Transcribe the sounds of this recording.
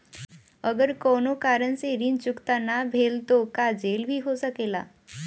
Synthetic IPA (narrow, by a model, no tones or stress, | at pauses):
əɡəɾkonokaɾənseɾint͡ɕukt̪anabʱelt̪okad͡zelbʱiːɦosəkela̰